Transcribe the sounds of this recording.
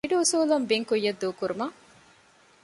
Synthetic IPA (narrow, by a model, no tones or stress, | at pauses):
iɖuusuːlɐmbiŋkujːɐd̪ːuːkuɾumɐ